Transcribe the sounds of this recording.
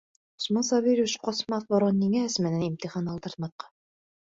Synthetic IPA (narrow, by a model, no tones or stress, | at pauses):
o̥smɑnsɑβiɾʲʃqɑsmɑθbɒɾɑnːiŋææsmænænimt̪iχɑnɑlˠt̪ɤ̆ɾt̪mɑθqɑ